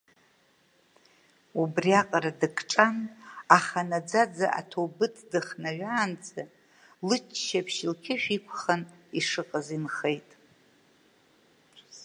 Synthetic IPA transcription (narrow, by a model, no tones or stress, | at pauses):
ubriaqʼaɾadɨkʼʈ͡ʂʼanaχanad͡zad͡zaʔa̰tʰobɨtʰdɨχnaɥaːnt͡sʼa | lɨt͡ʃʰʃapʰʃɪlkʲʰɪʃᶣikʷʰχaniʂɨqʼazinχejtʼ